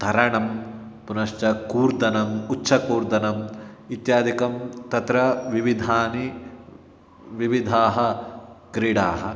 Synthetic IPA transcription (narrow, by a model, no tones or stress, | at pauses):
t̪ɐɾɐɳɐm | punɐʃt͡ʃɐkuːɾd̪ɐnɐmutːʃʰɐkuːɾd̪ɐnɐmit̪jaːd̪ʱikɐmt̪ɐt̪ɾɐʋiʋid̪ʱaːni | ʋiʋid̪ʱaːɦɐɡɾiɽaːɦɐ